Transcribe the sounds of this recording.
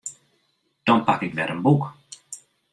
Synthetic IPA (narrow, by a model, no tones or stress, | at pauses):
d̪̥ɔnpʰakɪkvɛːɾənbuːk